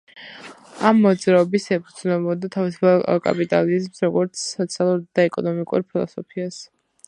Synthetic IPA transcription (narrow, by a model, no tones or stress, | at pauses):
amːɔd̪zɾaɔbisɛpʰud̪znɛbɔd̪at̪ʰavisu̥pʰakʼa̰pʼit̪ʼa̰lizmsɾɔɡɔɾt̪sʰːɔt̪sʰialˠuɾd̪̥aɛkʼɔnɔmikʼṵɾpʰilˠɔ̰sɔpʰias